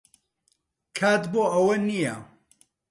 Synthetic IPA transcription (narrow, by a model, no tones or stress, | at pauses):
kʰaːt̪boːʔɐwɐnijɐ